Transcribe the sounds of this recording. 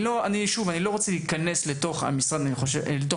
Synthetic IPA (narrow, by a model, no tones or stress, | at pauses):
lo̞aniʃuvanilo̞ʁot͡seliːkane̞slet̪o̞χa̰misʁad̪aniχoʃelet̪o